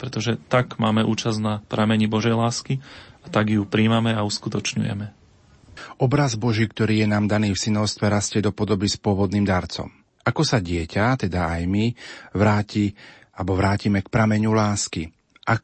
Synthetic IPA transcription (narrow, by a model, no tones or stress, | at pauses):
pɾɛt̪ɔʒɛt̪aɡmaːmɛʔṵːt͡ʃaznapɾamɛɲibɔʒɛjlaːskiat̪aɡjupɾiːmamɛauskut̪ɔt͡ʃɲṵjɛ̰mɛ | ʔɔbɾazbɔʒiːkt̪ɔɾiːjɛnaːmd̪aniːfsinɔʊst̪ʋɛɾascɛd̪ɔpɔd̪ɔbispʊɔʋɔd̪niːmd̪aɾt͡sɔ̰m | ʔakɔsaɟɪɛcat̪ɛd̪aajmiʋɾaːci | abɔʋɾaːcimɛkpɾamɛɲulaːski | ʔa